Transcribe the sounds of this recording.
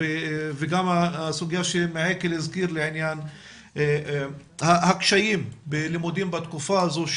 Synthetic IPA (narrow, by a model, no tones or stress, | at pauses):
eveɡamaasuɡjaʃemeʕekelizkiɾleʕinjan | hahakʃajimbelimud̪imbat̪kufazuʃ